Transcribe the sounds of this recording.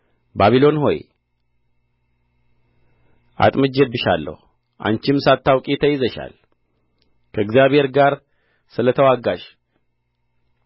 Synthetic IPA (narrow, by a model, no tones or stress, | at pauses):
baβilo̞nho̞̰j | ʔa̰t̪ʼmɨd͡ʒɛbːɨʃa̰lːə̰hu | ʔa̰nt͡ʃɪmsat̪ʰːawkʼit̪ʰəjɪzəʃa̰l | kʰəɨɡzjaβhe̞ɾɡaɾ | sɨlət̪ʰəwaɡaʃ